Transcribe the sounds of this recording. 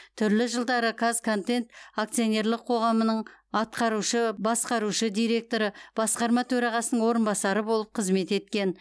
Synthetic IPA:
t̪ʰʏɾlɪʒəlˠd̪ɑɾəkʰazkʰo̞nt̪e̞nt̪ak̚t̪sio̞nʲe̞ɾlˠɪqʰo̞ʁɑmənəɴɑt̪̚qɑɾuʃəbɑsqɑɾuʃəd̪ijɾe̞k̚t̪o̞ɾəb̥ɑsqɑɾmɑt̪ʰɵɾɑʁɑsənəɴwo̞ɾənbɑsɑɾəbo̞lˠəp̚qʰəzme̞t̪e̞t̪kʲe̞n

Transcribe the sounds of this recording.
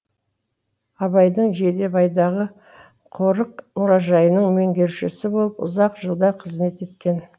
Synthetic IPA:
ɑβɑjd̪əɴʒe̞d̪e̞bɑjd̪ɑʁə | qʰo̞ɾəq̚mʊɾɑʒɑjənəɴmeŋɡʲe̞ɾʃɪsɪbo̞lˠəpʊ̰zɑqʒəlˠd̪ɑqʰəzme̞t̪e̞t̪kʲe̞n

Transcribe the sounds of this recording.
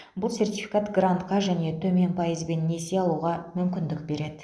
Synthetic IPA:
bʊlˠse̞rt̪ʲifi̥kat̪ɡrant̪qɑʒæne̞t̪ʰɵme̞npʰɑjəzbe̞nːe̞seɑlˠuʁɑmʏmkʲɪnd̪ɪk̚be̞ɾe̞d̪ɪ

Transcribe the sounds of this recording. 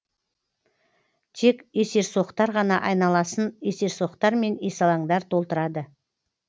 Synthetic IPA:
t̪ʰe̞ke̞se̞ɾso̞qt̪ɑɾʁɑnɑʔɑjnɑlˠɑsənese̞ɾso̞qt̪ɑɾme̞nesɑlˠɑɴd̪ɑɾt̪ʰo̞lˠt̪əɾɑd̪ə

